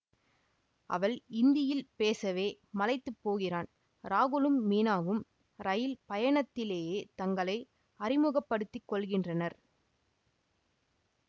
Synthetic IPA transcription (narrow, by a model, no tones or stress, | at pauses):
ʔɐ̰ʋɐɭɪnd̪ɪjɪlpeːsɐʋeː | mɐlɐɪt̪ːɯpːoːɣɪraːn | ɾaːɣɯlɯmːiːnaːʋɯm | ɾɐjɪlpɐjɐɳɐt̪ːɪleːjeːt̪ɐŋɡɐɭɐɪ | ɐrɪmɯɣɐpːɐɽɯt̪ːɪkːɔɭɣɪndrɐnɐɾ